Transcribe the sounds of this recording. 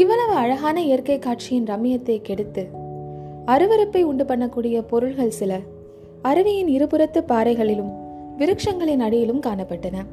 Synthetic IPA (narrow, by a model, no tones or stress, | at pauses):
ɪʋɐɭɐʋɯɐɻɐɣaːnɐɪjɐɾkɐɪkːaːʈ̚t͡ʃɪjɪnɾɐmɪjɐt̪ːɐɪkɛɽɯt̪ːɯ | ɐɾɯʋɐɾɐpːɐɪʊɳɖɯpɐɳːɐkːuːɽɪjɐpɔɾɯɭɣɐɭsɪlɐ | ɐɾɯʋɪjɪnɪɾɯpɯɾɐt̪ːɯpaːɾɐɪɣɐɭɪlɯm | ʋɪɾɯkʂɐŋɡɐɭɪnɐɽɪjɪlɯmkaːnɐpːɐʈːɐnɐ